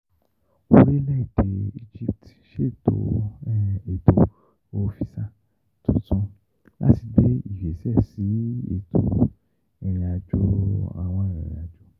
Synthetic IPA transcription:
o˧ɾi˦lɛ˦i˨de˧i˧d͡ʒi˦˨p̚t | ʃe˦˨to̰˧˦ | e˨to˧ | o˧fi˧sa˦˨ | tũ˨tũ˦ | la̰˦ti˨˧ɡ͡be˨˦i˦˨fe˨sɛ˦˨si˨˦ḛ˨tʰo̰˧ | ɛ˧˨ɾɛ̃˧a˧d͡ʒo˦a̰˧˨w̃ɔ̃˧ɛ˨ɾɛ̰̃˨ɾa˧d͡ʒo˦

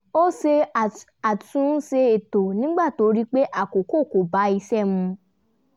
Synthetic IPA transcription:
o˦se˧˨ | a˨tũ˨˦se˧e˨to˨nĩ˦ɡ͡ba˦˨to˧˦ɾi˦k͡pe˦ʔa˦˨ko˨ko˦˨ko˨ba˨˦i˧sɛ˦˨mũ˧

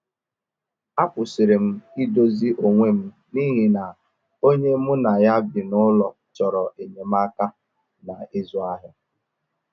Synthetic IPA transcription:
a˦pʊ˨sɪ˨ɾɪ˨m̩˦i˦do˦zi˦ʔo˨ŋʷe˦m̩˦ | ni˦ɦi˨na˨ | o˦ɲe˦mu˦na˨ja˦bɪ˨nʊ˦lɔ˨t͡ʃɔ˨ɾɔ˨ʔe˨ɲe˨m̩˦a˦ka˦ | na˨ɪ˦zɔ˨a˦ɦɪ˦

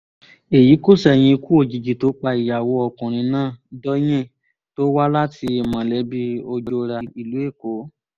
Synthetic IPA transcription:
e˨ji˨˦ko˦˨sɛ˨j̃ĩ˧ku˦o˧˨d͡ʒi˨d͡ʒi˨to˨˦k͡pa˧i˨ja˨wo˧˦ɔ˨kũ˨ɾ̃ĩ˧nãː˦˨dɔ˦j̃ɛ̃˦˨ | to˦wa˦la˦ti˧e˨mã˨˦˨lɛ˨˦bi˦o˧d͡ʒo˧ɾa˧i˨lu˨˦e˦˨ko˨˦

